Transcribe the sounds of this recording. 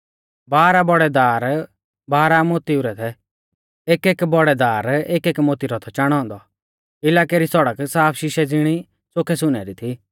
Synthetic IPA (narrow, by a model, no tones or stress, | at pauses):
baːɾabɔɽɛd̪aːɾ | baːɾamot̪iuɾɛt̪ʰɛ | eːkeːkbɔɽɛd̪aːɾeːkeːkmot̪iɾɔt̪ʰɔt͡ʃaɽ̃ɔ̃ːnd̪ɔ | ɪlaːkeɾisɔɽəksaːpʰʃɪʃɛd͡zɪɽ̃i | sokʰɛs̬ʊnɛɾit̪ʰi